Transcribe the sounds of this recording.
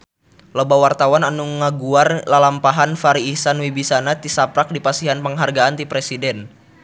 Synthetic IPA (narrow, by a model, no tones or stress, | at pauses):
lobawart̪awananuŋaɡuarlalampaɦanfaɾiːsanwibisanat̪isapɾak̚dipasiɦanpəŋɦarɡaant̪ipɾesidɛn